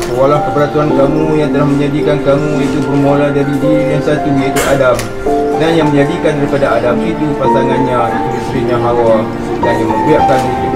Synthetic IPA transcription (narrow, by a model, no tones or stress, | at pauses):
walawkəpəɾat̪uankamũjaŋt̪ənahmə̃ɲadikankamũit̪ubərmoladaɾidijaŋsat̪ujait̪uʔadam | nanjaŋmə̃ɲadikandaɾipadaːdamit̪upasaŋanɲãiuət̪ɾiɲãɦawa | t̪anjaŋməmbiaʔkali